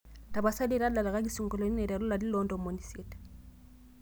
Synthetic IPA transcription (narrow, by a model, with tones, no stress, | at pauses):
ta˨ba˨sa˦de˦˨ɾa˦la˨la˨ka˦k̬i˦su˨ŋɡɔ˨lɔ˨˦ni˦nɛ˨ɾa˨lu˦la˨di˦lɔ˨ndɔ˨mɔ˨ni˨se˨tḁ˨